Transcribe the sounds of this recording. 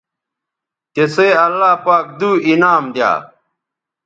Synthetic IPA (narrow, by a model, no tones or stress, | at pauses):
t̪eseːɐlːaːpaːk̚d̪uːinaːmd̪ja̰ː